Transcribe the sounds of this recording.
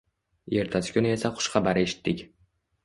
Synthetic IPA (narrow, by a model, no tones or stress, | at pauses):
e̞ɾt̪ʰasɪ̥kʲʊnɪe̞saχʊ̥ʃχɑbaɾe̞ʃɪ̥t̪ʰːɪkʲ